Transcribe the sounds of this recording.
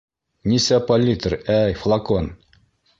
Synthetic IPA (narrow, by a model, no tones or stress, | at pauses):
nʲisæpɐlʲːit̪əɾæjflˠɐkon